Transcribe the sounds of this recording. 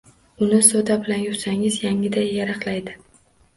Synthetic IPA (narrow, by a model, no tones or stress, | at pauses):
ʊnɪsot̪abɪlanjʊχsaŋɪzjaŋɪd̪ajːaɾɑqlˠajd̪ɪ